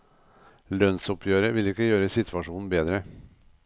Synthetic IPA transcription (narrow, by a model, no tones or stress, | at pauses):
lœnsɔpʰjøːɾəʋɪlɪkːəjøːɾəsɪt̪ʰʋɑʂuːnn̩beːd̪ɾə